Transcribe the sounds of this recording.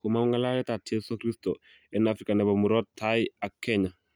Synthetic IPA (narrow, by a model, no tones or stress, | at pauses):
kumaŋŋalaɾɛtatjesukɾisto | ɛnafɾikanɛbamuɾɔtʰːajakɛɲa